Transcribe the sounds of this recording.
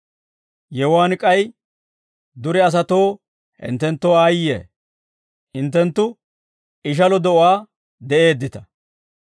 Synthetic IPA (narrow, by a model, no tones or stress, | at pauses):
jɛwaːnkʼɐj | d̪ʊɾɛɐs̬ɐt̪o̞ː | hɪ̰nt̪ːɛnt̪ːoːaːjḛː | hɪnt̪ːɛnt̪ːʊ | ɪʃ̬ɐlɔd̪ɔʔʊaː | d̪ɛʔe̞ːd̪ːɪt̪ɐ̥